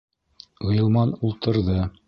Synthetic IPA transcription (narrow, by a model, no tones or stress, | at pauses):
ɤ̆jɤ̆lˠmɑnulˠt̪ɤ̆ɾðɤ